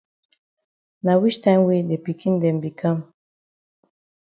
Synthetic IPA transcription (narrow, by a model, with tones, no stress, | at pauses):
na˨wi˦ʃt̪ã˦mwi˦d̪e˨pi˨ki˦nd̪e˨mbi˨kʰa˦m